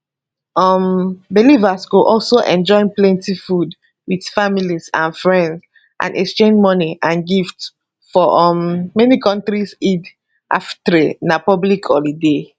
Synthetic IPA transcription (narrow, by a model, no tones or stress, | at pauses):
ɔmbilivasɡoʔɔlsoʔɛ̃nd͡ʒɔɪ̃nplɛ̃ntifud | wid̥familizã̰nfɹɛ̃nds | ʔã̰nʔɛkst͡ʃẽnd͡ʒmɔniʔãnɡifts | fɔʔɔmːɛnikʰɔ̃ntɹisid | ʔa̰ftɹenapɔblikʰɔlide